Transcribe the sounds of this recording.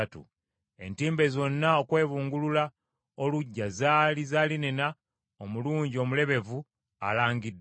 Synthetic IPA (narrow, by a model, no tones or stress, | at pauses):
atṵ | e̞̰ntiːmbe̞zo̞nːao̞kwe̞ːβuːŋɡulula | oluɟːazaːlizaːlinena | omuluːɲɟio̞mule̞βe̞vu | a̰laːŋɡidː